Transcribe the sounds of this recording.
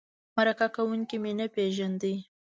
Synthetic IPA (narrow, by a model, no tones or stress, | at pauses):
maɾakakawuŋkimenəpeʒand̪əj